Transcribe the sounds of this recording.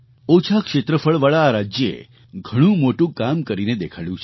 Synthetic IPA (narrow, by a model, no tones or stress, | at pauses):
ot͡ʃʰakʃet̪ɾəfəɭʋaɭaːɾad͡ʒjəḛ | ɡʱəɽ̃ũmoʈũkamkəɾined̪ekʰaljũt͡ʃʰe